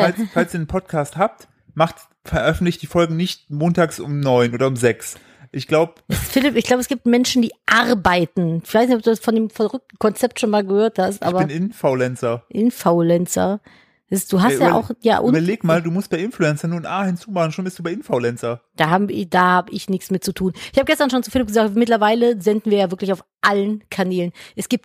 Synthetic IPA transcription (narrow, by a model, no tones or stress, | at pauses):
alsfalsiːɐdənpʰɔt̚kʰaːsthaːp̚t | maχt | fɛɐʔœfn̩tlɪçtd̥iːfɔlɡŋ̩nɪçt̚moːntaːksʔʊ̰mnɔʏnʔoːdɐʊmzɛks | ʔɪçɡ̥laʊbəɛsfɪlɪpɪçɡlaʊbəɛsɡ̥iːp̚tmɛnʃn̩diːʔaʁbaɪtn̩fɪlaɪsnɪçɔd̥uːdasfɔndeːmfɛɐʁʏk̚tn̩kʰɔnt͡sɛp̚tʃoːnmaːlɡəhøːɐthastʔa̰ːbɐbɪnɪnfoʊlɛnt͡sɐʔɪnfalɛnt͡sɐ̰̥ | ɛsɪsd̥uːɦastʔjaːʔa̰ʊxja̰ːʔʊnːbɐleːɡmaːlduːmʊst̚b̥aɪʔɪnfluɛnt͡sɐnuːnʔaːhɪnt͡suːmaχn̩ʃoːnbɪstd̥uːbaɪʔɪnfolɛnt͡sɐd̥aːɦaːbmɪd̥aːhaːbəʔɪçnɪçt͡smɪt̚t͡sutʰuːnʔɪçhabəɡɛstɐnʃoːnt͡sufɪlɪp̚ɡəzaːkmɪtlɐvaɪləzɛndn̩viːɐjaːvɪɐklɪçaʊfʔalənkʰanɛːlənʔɛsɡ̥iːp̚t̚